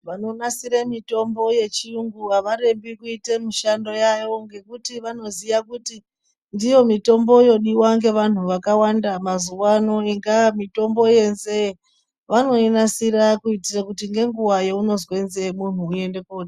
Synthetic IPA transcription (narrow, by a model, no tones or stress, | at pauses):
ʋano̞nasiɾamito̞mbo̞je̞t͡ʃiuŋɡuaʋaɾe̞mbikuitemiʃando̞jajo̞ŋɡe̞kutiʋano̞zijakuti | ndijo̞mito̞mbo̞jo̞ɗiwaŋɡe̞ʋan̤uʋakawandamazuwano̞iŋɡamito̞mbo̞je̞nse | ʋano̞inasiɾakuitirakutiŋɡe̞ŋɡuwajeuno̞zwe̞nze̞mun̤uːe̞nde̞koːɗi